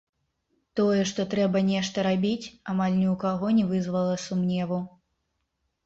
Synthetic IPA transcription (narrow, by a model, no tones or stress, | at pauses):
t̪ɔjɛʂt̪ɔt̪ɾɛbɐnʲɛʂt̪ɐɾabʲit͡sʲamalʲnʲiwkaɣɔnʲɛvɨzvɐlˠɐsumnʲɛvu